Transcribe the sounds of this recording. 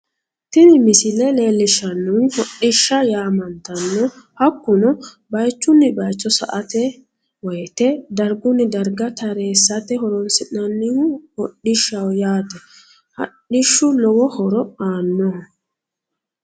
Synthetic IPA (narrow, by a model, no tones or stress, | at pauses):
t̪ɪnɪmɪsɪlɛle̞ːlːɪʃːɐnːʊnhɔɗːɪʃːɐjaːmɐnt̪ɐnːɔ | hɐkːʊnɔ | bɐjt͡ʃːʊnːɪbɐjt͡ʃːɔsɐ̰ʔɐt̪ɛ | wɔjt̪ɛd̪ɐɾɡʊnːɪd̪ɐɾɡɐt̪ɐɾeːsːɐt̪ɛhɔɾɔnsɪnɐnːɪhʊhɔɗːɪʃːɐwjaːt̪ɛ | hɐ̰ɗɪʃːʊlɔwɔhɔɾɔaːnːɔ